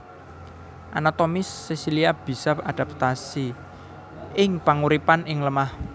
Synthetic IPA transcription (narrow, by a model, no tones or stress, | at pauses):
ʔanat̪omɪsːesiliab̥i̤sɔad̪̥a̤p̚t̪asi | ʔɪŋpaŋuɾipanʔɪŋləmah